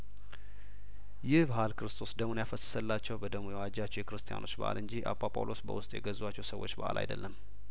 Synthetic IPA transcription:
jɪhbahalkʰɨɾɨst̪ʰo̞sd̪əmunjafəsːə̥səlːat͡ʃːɛwbəd̪əɡmujɛwad͡ʒat͡ʃːɛwjɛkɨɾɨst̪ʰija̰nʔo̞t͡ʃːbə̰ʔa̰lɨɲd͡ʒiʔa̰pʼapʼa̰wlʔo̞sbə̰wʊst̪ʼjɛ̰ɡəzwat͡ʃːɛwsəwːo̞̰t͡ʃːbəʔa̰lʔa̰jd̪ə̰lːəmː

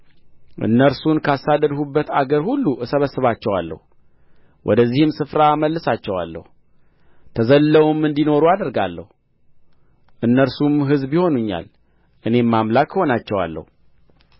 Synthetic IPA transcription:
ʔɨ̰nːəɾsunkʰasad̪əd̪hubːət̪aɡəɾhulːuɨsəβəsːɨβat͡ʃːɛwa̰lːə̰hu | wʔɔ̰d̪əzːihɨmsɨfɾaməlːɨsat͡ʃːɛwa̰lːə̰hu | t̪ʰəzəlːəwumːɨnd̪ino̞ɾuad̪əɾɡalːə̰hu | ʔɨnːəɾsumɦɨzbiho̞nuɲːa̰l | ʔɨne̞mːamlakʰho̞nat͡ʃːɛwa̰lːə̰hu

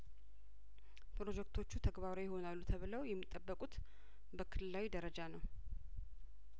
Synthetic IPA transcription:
pɾo̞d͡ʒɛkt̪ʰo̞t͡ʃːut̪ʰəɡβaɾojɪho̞nalːut̪ʰəβɨləwjɛmːit̪ʼːəbːəkʼut̪ | bəkʰɨlɨlːawid̪əɾəd͡ʒanəw

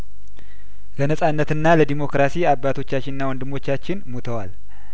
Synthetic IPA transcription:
lənəsʼanːət̪ɨnːaləd̪imo̞kɾasiabːat̪ʰo̞t͡ʃːat͡ʃːɪnɨnːawɔnd̪ɨmːo̞t͡ʃːat͡ʃːɪnmot̪ʰəwal

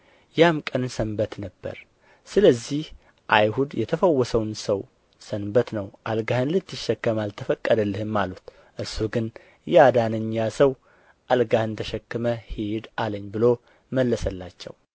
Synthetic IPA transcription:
jamkʼənsənbət̪nəbːə̰ɾ | sɨləzːih | ʔajhud̪jɛt̪ʰəfəwːɔsəwnsəw | sənbət̪nəwʔalɡahɨnlɨt̪ːɨʃːɛkːəmalt̪ʰəfəkʼːəd̪əlːɨhɨmːalut̪ | ʔɨɾsuɡɨn | jɛad̪anɨɲːasəw | ʔalɡahɨnt̪ʰəʃɛkːɨməhed̪aləɲːbɨlo | məlːəsəlːat͡ʃːɛ̰w

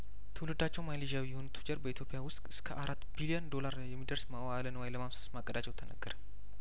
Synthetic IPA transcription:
t̪ʰɨwlɨd̪at͡ʃːɛwmajliʒawijɛho̞nt̪ʰu̥d͡ʒəɾbəit̪ʰjo̞pʼɪjawʊst̪ʼɨskʰəʔaɾat̪ːbilijand̪o̞laɾjɛmːid̪əɾsmawaalənəwajləmamsə̥smakʼəd̪at͡ʃːɛwt̪ʰənə̰ɡːəɾə

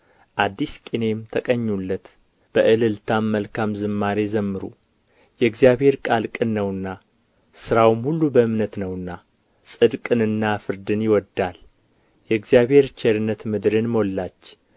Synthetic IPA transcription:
ʔad̪ːiskʼine̞mt̪ʰəkʼəɲːulːət̪ | b̥əʔɨlɨlt̪ʰamːəlkʰamzɨmːaɾezəmːɨɾṵ | jɛɨɡzjaβhe̞ɾkʼalkʼɨnːəwɨnːa | sɨɾawɨmhulːubəɨmnət̪nəwɨnːa | sʼɨd̪kʼɨnɨnːafɨɾd̪ɨnjɪwɔd̪ːal | jɛɨɡzjaβhe̞ɾt͡ʃʰeɾɨnːət̪mɨd̪ɾɨnmo̞lːat͡ʃː

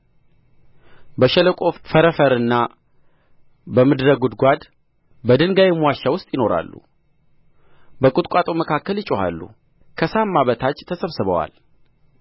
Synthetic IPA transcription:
bəʃɛləkʼo̞fəɾəfəɾɨnːa | bəmɨd̪ɾəɡud̪ɡʷad̪ | bəd̪ɨnɡajɛmwaʃːawʊst̪ʼjɪno̞ɾa̰lːṵ | bəkʼʊt̪ʼkʷʼat̪ʼoməkʰakːəlɨt͡ʃʼoha̰lːṵ | kʰəsamːaβət̪ʰat͡ʃːt̪ʰəsəβsɨβəwa̰l

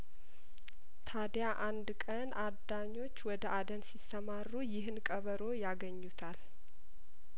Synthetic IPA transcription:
t̪ʰad̪jaʔand̪kʼənʔad̪aɲːo̞t͡ʃːwɔd̪əʔad̪ənsisəmarːujɪɦɨnkʼəβəɾo̞jaɡəɲːut̪ʰal

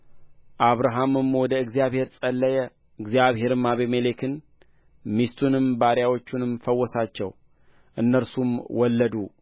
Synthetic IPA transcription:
ʔaβɾaɦamɨmwɔd̪əɨɡzijaβhe̞ɾsʼəlːəjɛ | ɨɡzijaβhe̞ɾɨmaβemelekʰɨn | mist̪ʰunɨmbaɾjawot͡ʃːunɨmfəwːɔsat͡ʃːɛw | ʔɨnːəɾsumwɔlːəd̪u

